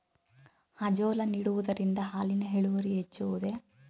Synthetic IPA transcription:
ɐd͡ʒoːlɐniːɽuʋud̪ɐɾind̪ɐɦaːlinɐɦeɭuʋɐɾiɦet͡ʃːuʋud̪e̞

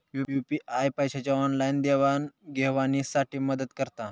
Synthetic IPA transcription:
jujupiʔajpəjɕat͡ɕjaɔnlajnd̪eʋanɡʱeʋaniːsaʈʰiːməd̪ət̪kəɾt̪a

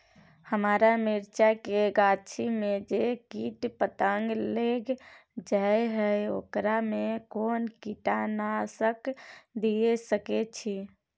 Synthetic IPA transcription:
həmaːɾamiɾt͡ʃakeɡat͡ʃʰimed͡ʒekiʈpət̪aŋɡleɡd͡ʒaeɦəeo̰ːkɾamekonkiʈanasəkd̪iesəket͡ʃʰi

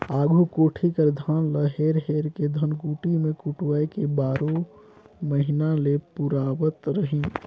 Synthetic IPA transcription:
aɡʱukoʈʰikəɾd̪ʱanləɦeɾɦeɾked̪ʱənkuʈimekuʈwəjkebaɾo | məɦinalepuɾabət̪ɾəɦin

